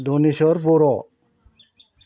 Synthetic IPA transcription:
d̪oniʃɔɾpoɾɔ

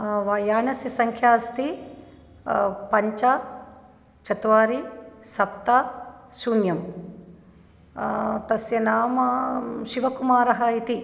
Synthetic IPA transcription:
ʋaːjaːnɐsɐsɐŋkʰjaːst̪i | pɐɲt͡ʃɐ | t͡ʃɐt̪ʋaːɾisɐp̚t̪asuːnjɐm | t̪ɐsjɐnaːmɐʃiʋɐkumaːɾɐɦɐit̪i

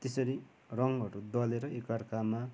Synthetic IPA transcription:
t̪esʌɾi | rʌŋɦʌɾud̪ʌleɾʌekarkama

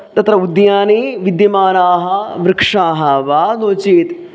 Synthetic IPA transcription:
t̪ɐt̪ɾɐud̪jaːneːʋid̪jɐmaːnaːɦɐʋɾɪkʂaːɦɐʋaːnoːt͡ʃiːt̪

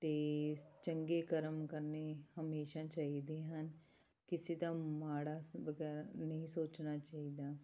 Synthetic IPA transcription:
t̪eːt͡ʃəŋɡeːkəɾəmkəɾnehəmeːʃãːt͡ʃaːɦid̪eːɦən | kɪsit̪ãːmaːɽaːʋəɡɛːɾanəɦĩːsoːt͡ʃnaːt͡ʃaːɦiːd̪aː

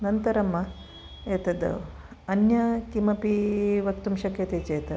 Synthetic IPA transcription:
nɐnt̪ɐɾɐmːɐ | eːt̪ɐd̪ɐ̰ | ɐnjɐkimɐpiʋɐkt̪umʃɐkjɐt̪eːt͡ʃeːt̪ɐ

